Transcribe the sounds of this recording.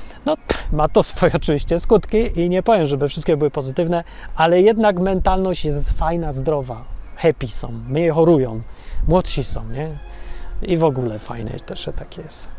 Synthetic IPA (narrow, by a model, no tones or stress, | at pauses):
nɔmat̪ɔsfɔjɛɔt͡ʂɘvʲiɕt͡ɕɛskut̪kʲiʔiɲɛpɔvʲjɛmʐɛbɘfʂɘst̪kʲɛbɘwɘpɔzɘt̪ɘvnɛʔalɛjɛd̪nakmɛnt̪alnɔɕt͡ɕjɛst̪fajnazd̪ɾɔvaxɛpʲisɔ̰̃w̃mɲɛxɔɾujɔ̃w̃mwɔt̪ɕisɔ̰̃w̃ɲɛ | ivɔɡulɛfa̰jnɛ̰t̪ɛʂɛt̪akʲjɛst̪